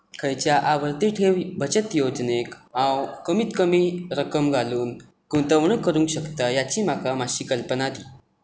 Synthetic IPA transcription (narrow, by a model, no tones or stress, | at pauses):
kʰəjt͡ɕjaʔaʋəɾt̪iʈʰewbʱət͡ɕət̪jod͡ʑnekãwkəmiːt̪kəmiːɾəkəmɡʱaluːn | kut̪əʋɳ̃ukːəɾũŋkɕəkt̪ajat͡ɕiːmakamaɕiːkəlpənad̪iː